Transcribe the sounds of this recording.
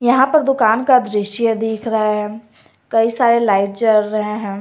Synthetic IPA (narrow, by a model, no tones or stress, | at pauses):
jɐɦãpɐɾd̪ʊkaːnkad̪ɾɪʃjəd̪iːkʰɾɐɦaɦɛ | kɐisaːɾelaːɪʈd͡ʒəɾːɐɦẽɦɛ̃ː